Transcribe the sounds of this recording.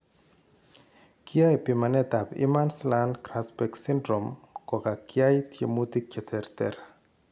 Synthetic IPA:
kiajpimanet̪apḭmanslankɾaspeksindɾomkokakiajt̪jemut̪ikːet̪ʰeɾt̪eɾa

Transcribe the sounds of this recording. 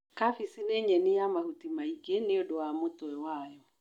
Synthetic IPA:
kafisineɲɛnijamahutimaikeneodowamotɔɛwajɔ

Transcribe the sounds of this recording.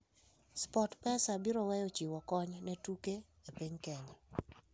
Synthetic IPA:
spɔtpɛsabiɾɔwɛjot͡ʃiwɔkɔɲnɛtuke | epeɲkɛni

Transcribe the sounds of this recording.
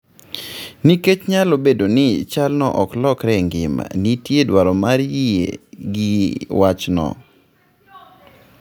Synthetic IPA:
niket͡ʃɲalobedonɪt͡ʃalnɔ̰ʔɔklɔkɾɛŋɡɪma̰nitjedwaɾɔmaɾjiḛɡɪwat͡ʃnɔ̰

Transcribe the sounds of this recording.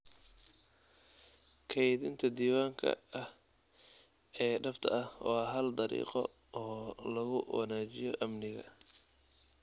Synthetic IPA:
kʰɛjðɪnt̪ʰɐd̪iːwaːŋkʰɐ̰ɐh | ɛːɖɐbt̪ʰɐɐhwɑɦɐld̪ɐɾḭːqɔ̰ | ʔɔːlɐɣʊwɑ̰naːt͡ʃɪjɔʔɐmnɪɣɐ̰

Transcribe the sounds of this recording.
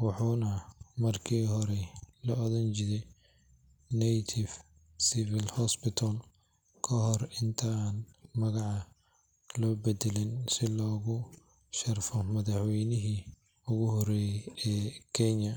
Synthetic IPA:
wɑħuːnɐmɐrkʰiːɦɔɾɛlɐɔðɐnt͡ʃɪðɛ | nɛjt̪ʰɪf | sɪfɪlhɔspɪt̪ʰɐl | kʰɐɦɔrɪnt̪ʰanmɐɣɑʕɑ | lɔːbɛd̪ɛlɪnsɪlɔːɣʊ | ʃɐrfɔmɐðɑħwɛjnɪɦiː | ʊɣʊɦɔrɛːjɛjɛːkʰɛɲɐ

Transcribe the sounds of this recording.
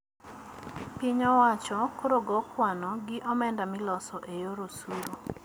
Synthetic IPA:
piɲɔwat͡ʃɔkoɾoɡɔkʰwanɔɡɪʔɔmɛndamɪlɔsɔʔejoɾosuɾo

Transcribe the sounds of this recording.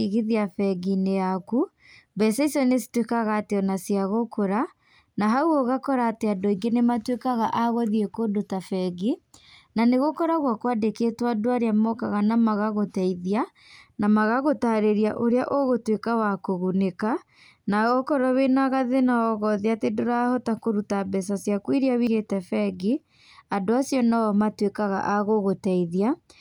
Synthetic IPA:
iɣiðiafɛɡineaku | bɛsɛisɔnesi̥twekaɣateɔnasiaɣokʰoɾa | naɦauɔɣakɔɾaːteadoiŋɡenematwekaɣaʔaɣwɔðiekoːdotafɛɡinaneɣokɔɾaɣwakwadekeːtwadoaɾeamɔkaɣanamaɣaɣotɛiðia | namaɣaɣotaɾeɾiaʔoɾeaʔoɣotwekawakoɣuneka | naɔkɔɾɔwenaɣaðenaɔɣɔðeatedoɾahɔtakoɾutabɛsasjakwiɾiawiɣetɛfɛɡi | adoasjɔnaɔmatwekaɣa̰ʔaɣoɣotɛiðia

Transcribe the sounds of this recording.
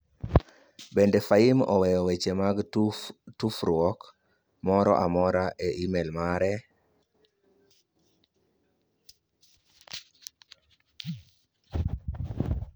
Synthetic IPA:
bendɛfaimɔ̰wɛjɔwet͡ʃemaɡ | tufɾʊɔk | mɔɾɔ̰ʔamɔɾaʔeʔimelmaɾɛ

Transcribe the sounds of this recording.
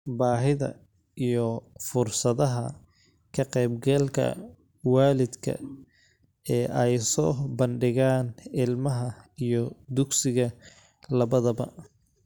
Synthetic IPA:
baːɦɪðɐ̰ | ʔijɔfʊrsɐðɐɦɐ̰ | kʰɐqɛjbɡɛlkʰɐ̰ | waːlɪd̪kʰɐ̰ | ɛːʔɛjsɔːbɐnɖɪɣaːnɪlmɐɦɐijɔd̪ʊɡsɪɣɐ | lɐβɐðɐbɐ̰

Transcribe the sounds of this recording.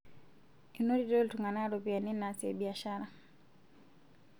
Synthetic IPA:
inɔɾitɔlituŋɡanaɾɔpianinnasiɛ̰ɓiaʃaɾa

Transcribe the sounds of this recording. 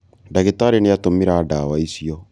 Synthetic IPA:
daɣetaɾenejatomeɾaːdawaisiɔ

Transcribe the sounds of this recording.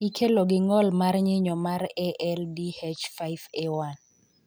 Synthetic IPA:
ikʰeloɡɪŋɔlmarɲɪɲɔmaɾɛʔɛldihet͡ʃfajvewan

